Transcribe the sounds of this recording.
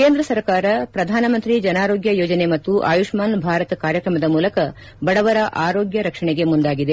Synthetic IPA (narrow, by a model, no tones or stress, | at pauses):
keːnd̪ɾɐsɐɾkaːɾɐpɾɐd̪ʱaːnɐmɐnt̪ɾid͡ʒɐnaːɾo̞ːɡjɐjoːd͡ʒɐne̞mɐt̪ːuʔa̰ːjuʂmaːnbʱaːɾɐt̪kaːɾjɐkɾɐmɐd̪ɐmuːlɐkɐ | bɐɽɐʋɐɾɐʔaːɾo̞ːɡjɐɾɐkʂɐɳeɡe̞mund̪aːɡid̪e